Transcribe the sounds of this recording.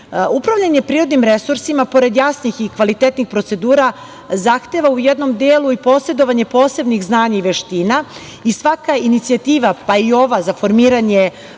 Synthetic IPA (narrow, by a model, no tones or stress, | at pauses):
upɾavʎʲaɲepɾiːɾo̞d̪nimɾesuɾsimapo̞ɾe̞d̪jasnixikʋalit̪et̪nixpɾo̞t̪se̞d̪uːɾa | zaxt̪e̞ʋaujed̪no̞md̪eːlˠuipo̞ːse̞d̪o̞ʋaɲe̞po̞ːse̞bniɣznaːɲaiʋe̞ʃt̪iːna | isʋakainit̪siat̪iːʋapaio̞ʋazafo̞ɾmiːɾaɲe